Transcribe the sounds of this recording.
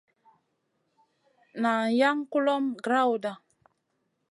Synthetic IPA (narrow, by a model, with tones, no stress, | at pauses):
na˨ja˦ŋku˦lɔ˦mɡɾa˦wda˨